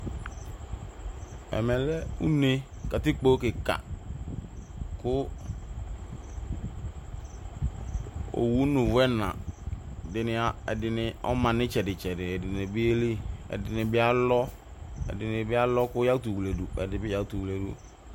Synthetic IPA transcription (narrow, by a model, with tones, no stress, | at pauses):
ɛ̰˨mɛ˨lɛ˦ṵ˦ne˦ | ka˨tɪ˦k͡po˦kɪ˨ka̰˨ | kʊ˦ | o̰˨wu˨˦nũ˨vʊ˦ɛ˦nã̰˨ | dɪ˨nɪ˨a˨ɛ˨dɪ˨nɪ˨ɔ̰˦mã˨nɪ̃˦t͡ʃɛ˨dɪ˨t͡ʃɛ˨dɪ˨ɛ˨dɪ˨nɪ˨bɪ˦e˦li˦ɛ̰˨dɪ˨nɪ˨bɪ˦a˦lɔ˦ | ɛ̰˨dɪ˨nɪ̃˨bɪ˦a˦lɔ˦kʊ˦ja˦u˦tu˨wu˨le˨du˨ɛ̰˨dɪ˨bɪ˦ja˨u˨tu˨wu˨le˨dṵ˨